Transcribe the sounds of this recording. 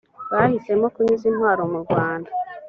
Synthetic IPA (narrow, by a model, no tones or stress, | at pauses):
βahise̞mo̞kuɲuzinhwaːɾomuɾɡwaːnda